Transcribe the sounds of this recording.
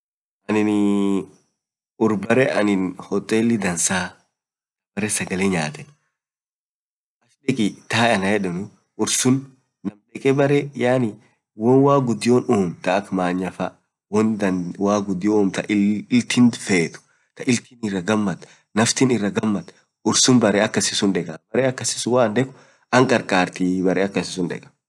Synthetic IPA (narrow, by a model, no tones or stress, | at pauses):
ʔɐnɪn | ʊɾbɐɾɛʔɐnɪnhɔt̪ʼːeːlːɪd̪ɐnsaː | kɐbɐɾɛsɐɡɐleɲaːt̪ɛn | ʔɐʃɗɛkʼɪt̪aːɐnɐjɛᶑɛnʊ | ʊɾsʊnː | ɐmlɛkʼɛbɐɾɛjaːnɪ | wɔnwaːɡʊd̪ɪjoːnoːmt̪ɐːkmaːɲːɐfa | wɔnd̪ɐnwaːɡʊd̪ɪjooːmt̪ɐʔɪlt̪ʰɪnfeːt̪ʊ̥ | t̪ɐʔɪlt̪ʰɪnɪrːɐɡɐmːɐt̪ | nɐft̪ɪnɪrːɐɡɐmːɐt̪ | ʊɾsʊnbɐɾɛɐkːɐsɪsʊnᶑɛkʼɐbɐɾɛːɐkːɐsɪ̥sʊwaːnd̪ɛkʼʊ̥ | ɐŋkʼɐɾkʼaːɾt̪ibɐɾɛːɐkːɐsɪsʊnᶑɛ̰kʼɐ̥